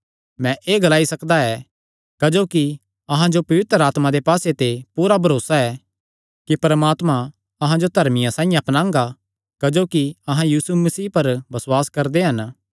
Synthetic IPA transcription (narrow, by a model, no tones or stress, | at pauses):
mɛ̃ʔeːɡɐlaːisɐkd̪aɛ | kɐd͡ʒoːki | ɐɦãd͡ʒopɐʋɪt̪ɾəaːt̪mãd̪epaːset̪epuːɾabʱɐɾoːsaɛ | kipɐɾmaːt̪mã | ɐɦãd͡ʒot̪ɐɾmɪjãsãːĩjãɐpnãːŋɡa | kɐd͡ʒoːkiɐɦãjiːsumɐsiːpɐɾbɐswaːskɐɾd̪eɦɐn